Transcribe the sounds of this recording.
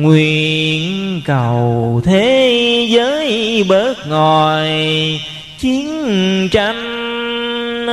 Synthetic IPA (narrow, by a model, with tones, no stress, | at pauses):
ŋwi˧˨ənnkə˨˩˨wt̪ʰe˨˦zəː˨˦jɓəː˦˥t̚ŋɔ˨˩j | t͡ɕi˨˦ənt͡ɕa˨˦m